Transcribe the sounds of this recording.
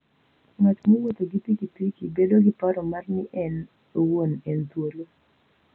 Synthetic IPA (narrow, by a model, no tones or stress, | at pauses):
ŋat͡ʃmowot̪oɡipikipikibedoɡipaɾɔmarnɪʔɛn | owonɛnt̪wolo